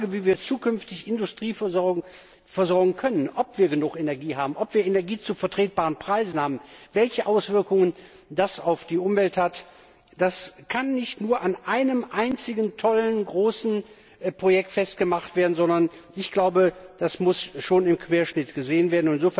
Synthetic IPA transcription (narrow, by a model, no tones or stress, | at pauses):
aɡəviːviːɐt͡suːkʰʏnftɪçɪndʊstʁ̥iːfzɔ | fɛɐzɔɐɡŋ̩kʰœnənʔɔpv̥iːɐɡənʊχenɛɐɡiːhaːbm̩ʔɔpv̥iːɐenɛɐɡiːt͡sufɛɐtʁ̥eːt̚b̥aːʁənpʁ̥aɪzn̩haːbm̩vɛlçəʔaʊsv̥ɪɐkʊŋən | dasaʊfd̥iːʔʊmvɛlthat | d̥askʰanːɪçtnuːɐʔanʔaɪnəmʔaɪnt͡sɪɡn̩tʰɔlənɡʁoːsn̩ | pʁ̥ojɛk̚tfɛst̚ɡ̥əmaχtv̥eːɐdn̩zɔndɐnʔɪçɡ̥laʊbəd̥asmʊsʃoːnɪmkʰv̥eːɐʃnɪtɡ̥əzeːənveːɐdn̩ʊtɪnzoːf